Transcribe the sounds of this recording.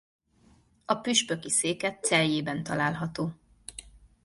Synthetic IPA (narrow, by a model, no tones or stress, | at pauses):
ɒpyʃpø̞kiseːkɛt̪sɛljeːbɛnt̪ɒlaːlɦɒt̪oː